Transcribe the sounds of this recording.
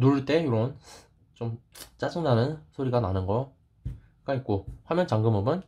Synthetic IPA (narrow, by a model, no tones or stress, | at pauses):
nuɾɯɭt͈e̞uɾʌn | t͡ɕomt͡ɕ͈ad͡ʑɯŋnanɯnsʰoɾiɡananɯnɡʌ | ɡait̚k͈oɸwamjʌnt͡ɕaŋɡɯmɯmɯn